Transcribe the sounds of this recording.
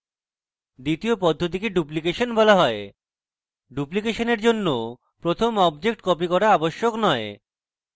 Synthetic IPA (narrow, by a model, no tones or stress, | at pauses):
d̪it̪iopɔd̪ʱːot̪̬ikeɖup̬likeʃonbɔlaɦɔe | ɖuplikeʃoneɾd͡ʑonːo | pɾot̪ʰomɔbd͡ʑek̚ʈkɔpikɔɾaaboʃːoknɔe